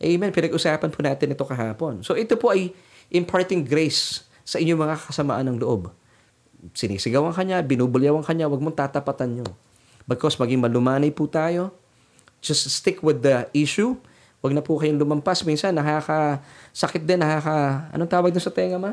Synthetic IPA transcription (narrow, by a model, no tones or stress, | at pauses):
ʔɛjmɛnpɪnɐɡʔʊsaːpɐnpʰʊnaːt̪ɪnɪt̪o̞kɐɦaːpo̞nsoʔɛt̪opoʔɐj | ʔɪmpʰaɹt̪ɪŋɡɾejsː | ɐʔɪɲːoŋmɐŋakɐsɐma̰ːʔanːɐŋloʔo̞b | sɪnḭːsɪɡɐwɐŋkɐɲabɪnuːbʊlɪjɐwɐŋkɐɲawɐɡ̚moŋt̪aːt̪ɐpɐt̪ɐnɲo | bɪkosmɐɡɪiŋmɐlʊmaːnɐjput̪aːjo̞ | d͡ʒɐst̪st̪ɪkwɪd̪ɐʔiʃu | wɐɡ̚nɐpʊkɐjoŋlʊmɐmpasmiːnsɐnːɐkakɐsɐkɪt̪̚d̪ɛnːɐkaːkɐɐ̰noŋt̪aːwɐɡ̚d̪ʊnsɐt̪ɛːŋɐma